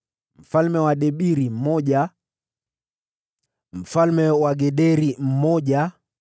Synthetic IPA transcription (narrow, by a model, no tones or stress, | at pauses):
m̩falmɛwaɗɛɓiɾim̩mɔʄa | m̩falmɛwaɡɛɗɛɾim̩mɔʄa